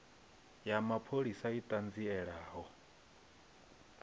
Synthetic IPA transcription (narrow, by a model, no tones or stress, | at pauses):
jamapʰoɺisait̪ʼand͡ziɛɺaːɦɔ